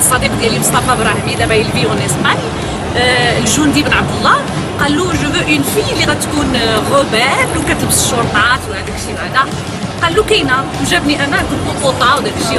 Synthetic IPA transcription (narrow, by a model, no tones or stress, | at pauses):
sˤːɑd̪iqd̪jælːimʊst̪ɑfɑbɾˤɑhmid̪æbæjəlbiənesqæn | lʒund̪ibnʕabd̪əlˤːɑ | qɑlːuʒubʊʔjənfiliɣæt̪kunxʊbæflukæt̪əbsəʃoɾˤt̪ˤɑt̪whæd̪ækʃibæʕd̪æ | qɑlːukæjnæ | ʒæbniʔænːæt̪əb̪unfut̪ˤɑwd̪ækʃi